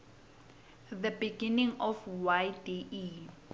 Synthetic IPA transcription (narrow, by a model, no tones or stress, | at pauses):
ðəbiɡinĩŋɔfwajdiʔi